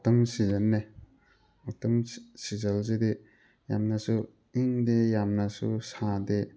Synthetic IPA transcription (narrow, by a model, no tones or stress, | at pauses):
tɐmsizɐnːe | atɐmsizɐlzede | jamnɐsu | iŋdejamnɐsṵsade